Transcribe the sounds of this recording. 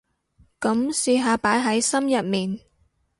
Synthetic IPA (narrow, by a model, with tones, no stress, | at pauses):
kɐ˨˥msiː˧ɦaː˨˧paː˨˥jɦɐ˨˥jsɐ˥mjɐ˨t̚miː˨n